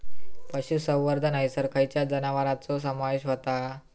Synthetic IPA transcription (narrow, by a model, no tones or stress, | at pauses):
pəɕusə̃wʋəɾd̪ʱənaisəɾkʰajt͡ɕjad͡zənaʋəɾat͡sɔs̬əmaʋeɕɦot̪a